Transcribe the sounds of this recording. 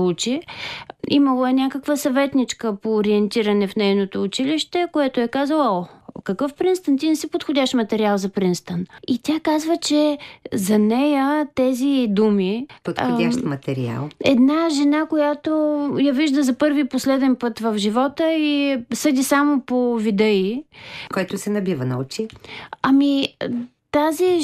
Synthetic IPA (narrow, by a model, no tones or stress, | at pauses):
ut͡ʃi | iməlˠoɛnʲakəkvəsɐvɛt̪nit͡ʃkəpoːɾiɛnt̪iɾənɛfnɛjnot̪oːt͡ʃiliʃt̪ɛkoɛt̪oɛkazəlˠɔkɐkɤfpɾinst̪ənt̪inɛsipot̪xʊdʲaʃmɐt̪ɛɾialˠzɐpɾinst̪ənit̪ʲakazvət͡ʃɛzɐnɛjət̪ɛzid̪umipot̪xodʲaʃt̪mɐt̪ɛɾia̰lˠɛ̰d̪naʒɛnakojat̪ojɐviʒd̪əzɐpɤɾviposlɛd̪ɛnpɤt̪vəfʒivɔt̪əisɤd̪ʲisamopovid̪əikoɛt̪osɛnɐbivənɐut͡ʃiɐmi | t̪azi